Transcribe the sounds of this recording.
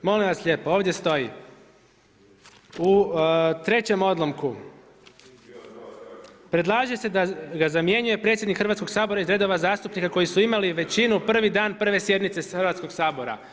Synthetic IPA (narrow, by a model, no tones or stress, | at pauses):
mo̞limʋasʎʲe̞ːpoo̞ːʋd̪je̞st̪o̞ji | ut̪ɾe̞t͡ɕe̞mo̞d̪lˠo̞mku | pɾe̞d̪lˠaːʒesed̪aɡazamje̞ɲuje̞pɾet̪sʲjed̪nikxrʋat̪ko̞ɡ̥saːbo̞ɾaizɾe̞d̪o̞ʋazaːst̪upnikako̞jisuimaliʋe̞t͡ɕinupr̩ʋid̪aːnpr̩ʋe̞sje̞d̪nit̪se̞xrʋat̪sko̞ɡsaːbo̞ɾa̰